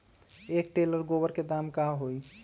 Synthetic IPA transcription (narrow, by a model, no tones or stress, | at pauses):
ek̚ʈeləɾɡobəɾked̪amkaɦoj